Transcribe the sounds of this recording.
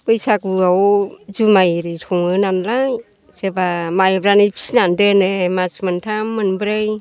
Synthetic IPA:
kɯjsak̚uawzumajɾitʰuŋɯnanlaj | sebamajbɾanipʰi̥sinandenemasmant̪ʰamːanbɾej

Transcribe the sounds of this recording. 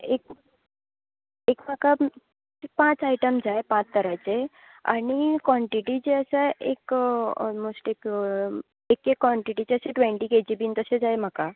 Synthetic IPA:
ek̚ | ekm̤aka | pãt͡saiʈəmd͡zaepãt͡st̪əɾat͡se | a̰ɽ̃ikʋɔ̃ɳʈiʈit͡ɕeəsaʔek | mosʈek | ekekːʋɔɳʈiʈit͡ɕeəseʈʋẽɳʈiked͡ʑibiːnt̪əsed͡zajm̤aka

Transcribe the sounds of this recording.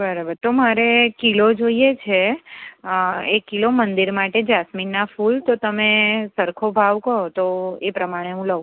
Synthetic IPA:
bəɾabəɾt̪omaɾekilod͡ʒoijet͡ʃʰe | ekilomənd̪iɾmaʈed͡ʒasminːafult̪ot̪əmesəɾkʰobʱaʋkəot̪oepɾəmaɽ̃eɦũlə

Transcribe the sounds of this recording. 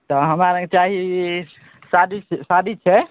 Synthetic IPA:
t̪ɔɦəmɾaɾə̃ŋɡet͡ʃaɦi | sad̪isad̪ʱit͡ʃʰɛ

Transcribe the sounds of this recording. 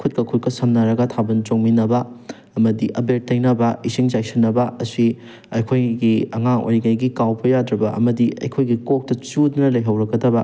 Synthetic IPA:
kʰut̚kɐkʰut̚kɐsɐmnɐɾɐɡɐtʰabɐnt͡ʃoŋminɐbɐː | mɐdiʔɐbet̚ːɐjnɐbɐisiŋzajsɐnːɐbɐɐsi | ɐjkʰojɡiɐŋaŋo̰jɡɐjɡikawpɐjadɾɐbɐɐ̰mɐdiɐ̰jkʰojɡikok̚tɐt͡ʃudnɐlɐjɦɐwɾɐɡɐdɐbɐ

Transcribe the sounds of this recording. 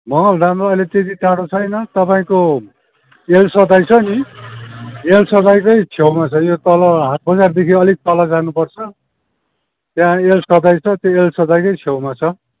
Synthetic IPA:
mʌʌld̪amroʌjlet̪ed̪iʈaɽot͡sʰʌjnʌt̪ʌpaĩko | elsʌd̪ajt͡sʰʌni | elsʌd̪ajkʌjt͡sʰewmat͡sʰʌjot̪ʌlʌɦat̪̚bʌd͡zard̪ekʰiʌlik̚t̪ʌlʌd͡zanupʌrt͡sʰʌ | t̪jãelsʌd̪ajt͡sʰʌt̪joelsʌd̪ajkʌjt͡sʰewmat͡sʰʌ

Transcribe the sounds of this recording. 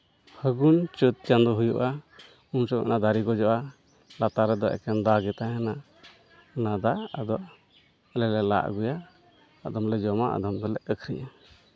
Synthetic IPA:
həɡunt͡ʃət̪̚t͡ʃand̪ɔɦujuʔa | unsɔɛ̰nad̪aɾiɡɔd͡ʒɔʔa | lat̪aɾɛd̪ɔʔɛ̰kʰɛnd̪aɡɛt̪aɦɛna | nad̪aad̪ɔʔ | ɛlɛlɛla̰ʔɡujaː | d̪ɔmlɛd͡ʒɔmaʔa̰d̪ɔmɡɔlɛʔəkʰɾijʔa

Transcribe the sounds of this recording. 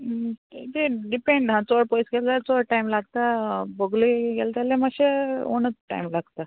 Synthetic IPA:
t̪eɖipeɳɖɦãt͡soɽpojsɡelt̪at͡soɽʈajmlaɡt̪abəɡluɡelt̪alemaɕeo̰nət͡sʈa̰jmlaɡt̪a

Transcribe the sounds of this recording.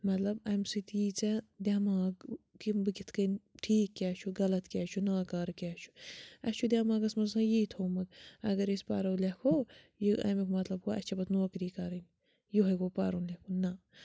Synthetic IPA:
mɐt̪lɐbɐjmsɨt̪jiːt͡sɛd̪ʲaːmaːɡkibɨɡʲit̪ʰkɐnʈʰiːkːʲaːt͡ʃʰuɡɐlɐt̪kʲaːt͡ʃʰunaːkaːɾkʲaːt͡ʃʰu̥ɐst͡ʃʰud̪ʲaːmaːɡɐsmɐsãːjiːt̪ʰoːmɐd̪ɐɡɐɾispa̰ːɾɐwlʲekʰoː | jiɐ̰mikmɐt̪lɐb̚kʰoɐ̰t͡ʃʰɐbɐt̪noːkɾiːkaːɾɐn | juɦɐjkoːpa̰ːɾunlʲekʰunnːɐ

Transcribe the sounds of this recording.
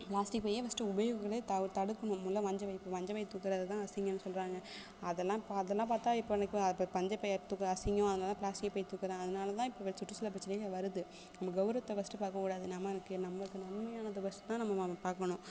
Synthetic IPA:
plaːsʈɪkpɐːjɐʋɐsʈɐ̃ʊbɐjkːkːɐɾet̪ɐt̪ɐɽɯkːɐɳʊ̃mʊlːɐ̃ʋɐɲd͡ʒɐʋɐɪpːoːʋɐɲd͡ʒɐʋɐjt̪uːkːɪɾɐðɐt̪ãːɐsɪŋɡɐnːɯsɔlɾaːŋɡɐ | ɐðɛlːãːɪpːoɐðɛlːãːpaːɾt̪aːɪpːoɛnɐkːoɐpːpɐɲd͡ʒɐpɐjt̪uːkːɐɐsɪŋɡõɐðɐnaːlɐt̪ãːplaːsʈɪkpoːjt̪uːkːɪɾãːɐðɯnaːlɐt̪ãːɪpːoːʋɐsʊʈːɯsɔlːɐp̬ɾɐt͡ʃːɐnɐkːɐʋɐɾɯðɯ | nɐmːɐɡɐʋʊɾɐt̪ːɐʋɐsʈɐpaːɾkɐkuːɽaːðɯnɐmːɐɛnɐkːɯnɐmːɐɾɯkːɐnɐnmɐjaːnɐðɐʋɐsʈɐt̪ːãːnɐmːɐpaːɾkɐɳʊ̃

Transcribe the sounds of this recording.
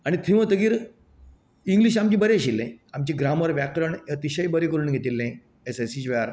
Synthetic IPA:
aɽ̃it̪ʰiʋət̪əɡiːɾ | iŋɡliɕamt͡ɕĩːbəɾeɕilːḛ̃amt͡ɕiɡɾaməɾʋjakɾəɳət̪iɕəjbəɾekəɾuːnɡʱet̪ilːẽ | esasid͡ʑʋeaɾ

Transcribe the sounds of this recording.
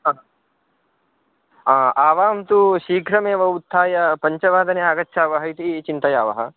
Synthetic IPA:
aːaːʋaːmt̪uʃiːɡʱɾɐmeːʋɐut̪ʰːaːjɐpɐɲt͡ʃɐʋaːd̪ɐneaːɡɐtːʃʰaːʋɐɦɐit̪it͡ʃint̪ɐjaːʋɐ̰ɦɐ̆

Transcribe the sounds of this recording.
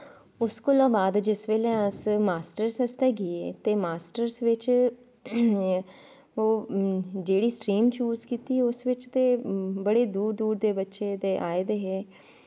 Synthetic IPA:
ʊskoːlãːbaːd̪d͡ʒɪsʋeːlẽəsmaːsʈəɾsəst̪ɛːɡɪeːt̪eːmaːsʈəɾsʋɪt͡ʃ | oːd͡ʒeːɽiːsʈɾiːmt͡ʃuːzkiːt̪iːɛʊsʋɪt͡ʃt̪eːbəɽeːd̪uːɾd̪uːɾd̪eːbətːʃeːd̪eːʔaːed̪eːɦɛː

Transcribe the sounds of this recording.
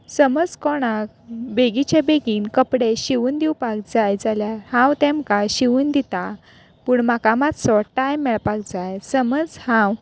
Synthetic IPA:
səməd͡zkɔɽ̃akbeɡit͡ɕjabeɡiːnkəpɽeɕiʋuːnd̪iwpak̚d͡zajd͡zaljaɾhãwt̪ɛ̃mkaɕiʋuːnd̪it̪a | puːɳmakamat̪sɔʈːajmːɛɭpak̚d͡zajsəməd͡zhãw

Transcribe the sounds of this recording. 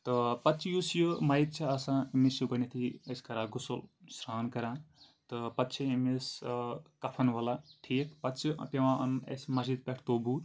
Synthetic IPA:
t̪ɨpɐt̪t͡ʃʰijusjɨmɐit̪̚t͡ʃʰɐɐsãimisjuɡɐnit̪ʰieskɐɾaːɡusolsɾaːnkɐɾãː | t̪ɨpɐt̪ːt͡ʃʰiimiskɐpʰɐnʋɐlaʈʰiːk̚pɐt̪t͡ʃʰip̪eʋãɐ̰mḛsmɐsid̪̚pʲeʈʰt̪oːbuːt̪

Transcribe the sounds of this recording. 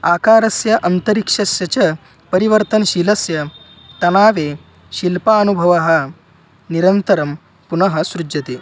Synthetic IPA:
aːkaːɾɐsjɐʔɐnt̪ɐɾikʂɐsjɐt͡ɕɐ | pəɾiʋəɾt̪ənɕilɐsjɐ | t̪ɐnaːʋe | ɕilpaːnubʱɐʋaɦɐ | niɾɐnt̪ɐɾɐm | punɐɦɐsɾud͡ʒɐt̪e

